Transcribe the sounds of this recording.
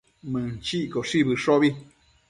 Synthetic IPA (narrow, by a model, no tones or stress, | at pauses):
mɨ̃t͡ʃiʔkoʂiβɨʂoβi